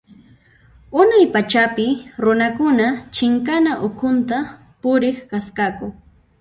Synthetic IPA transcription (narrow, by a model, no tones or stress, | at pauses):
ʊnajpat͡ʃapɪɾʊnakʊnat͡ʃɪŋkanaʔʊkʰʊnt̪a | pʊɾɪχkaskakʊ